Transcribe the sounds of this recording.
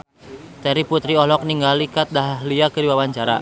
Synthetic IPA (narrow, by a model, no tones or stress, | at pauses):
t̪ɛɾiput̪ɾiɔlɔk̚niŋɡalikat̪̚daɦaɦliakəɾiwawaɲt͡ʃaɾa̰